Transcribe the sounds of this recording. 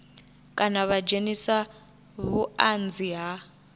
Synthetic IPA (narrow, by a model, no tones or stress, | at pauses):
kʼanaβad͡ʒenisa | βuand͡ziɦa